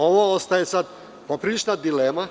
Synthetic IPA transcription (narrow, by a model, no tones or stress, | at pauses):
oʋoost̪ajesad̪ | popɾilit͡ʃnad̪ileːma